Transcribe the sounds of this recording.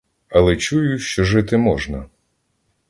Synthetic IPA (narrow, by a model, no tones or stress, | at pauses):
ɐlˠɛt͡ʃujʊʃt͡ʃɔʒɪt̪ɪmɔʒnɐ